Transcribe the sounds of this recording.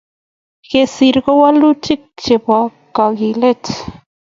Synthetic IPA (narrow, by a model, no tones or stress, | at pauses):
kesiɾɣowalut͡ʃik̚t͡ʃepʷakaɣilet͡s